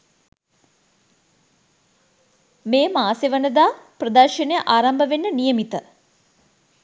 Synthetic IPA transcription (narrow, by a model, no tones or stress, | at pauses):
meːmaːseʋənəd̪aːprɐd̪aːʃinejəʔaːɾambəʋenːənijəmit̪ə